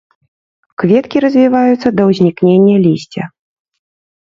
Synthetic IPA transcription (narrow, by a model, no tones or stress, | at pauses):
kvʲɛt̪kʲiɾɐzʲvʲivajut̪sːɐd̪ɐwzʲnʲiknʲenʲːɐlʲisʲt͡sʲɐ